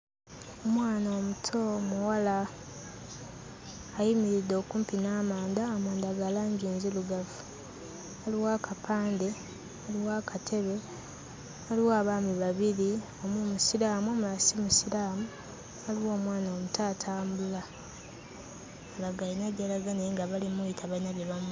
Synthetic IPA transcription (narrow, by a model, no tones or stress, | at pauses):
omwaːnoːmutʰo̞muwala | jimiɾidːo̞kuːmpinaːmaːndaːmaːndaɡalaːɲɟiːnziluɡafu̥ | aliwaːkapʰaːnde̞ | aliwaːkatʰe̞βe̞ | aliwoaβaːmiβaβiɾi | o̞mumusiɾaːmuomuasimusiɾaːmu | aliwo̞ːmwaːnaomutʰaːtʰaːmbula | alaɡainaɟelaɡaneŋɡaβalimuitʰaβainaɡeβamu